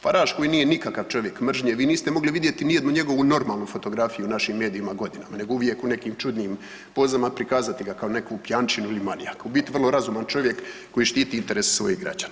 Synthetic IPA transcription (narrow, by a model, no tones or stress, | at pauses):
faɾaːʃko̞jiniːje̞nikakaʋt͡ʃo̞ʋje̞kmr̩ʒɲeʋiːniːst̪emo̞ɡliʋid̪je̞t̪inije̞d̪nuɲe̞ɡo̞ʋuno̞ɾmaːlnufo̞t̪o̞ɡɾafijunaʃimːe̞ːd̪iimaɡo̞d̪inamane̞ɡouʋje̞kune̞kiːmt͡ʃud̪niːm | po̞zamapɾikaːzat̪iɡakaone̞kupjaːnt͡ʃinuilimalija̰kabit̪iʋrlo̞ɾazumant͡ʃo̞ʋje̞kː | o̞jiʃt̪iːt̪iint̪e̞ɾese̥sʋo̞jiɣɡɾa̰d͡ʑanaː